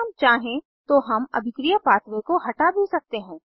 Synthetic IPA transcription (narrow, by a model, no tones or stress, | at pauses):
ɐmt͡ʃaːɦẽ | t̪oɦɐmɐ̰bʱɪkɾijəpaːt̪ʋekoɦɐʈabʱisɐk̚t̪eɦɛ̃ː